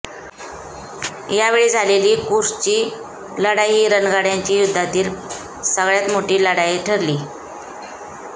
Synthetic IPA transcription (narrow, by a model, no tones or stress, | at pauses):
jaʋeɭiːd͡zʱaleliːkuɾst͡ɕiː | ləɽajɦiːɾənɡaɽjaɲt͡ɕiːjud̪ʱːat̪iːl | səɡɭjat̪moʈiːləɽajeʈʰəɾliː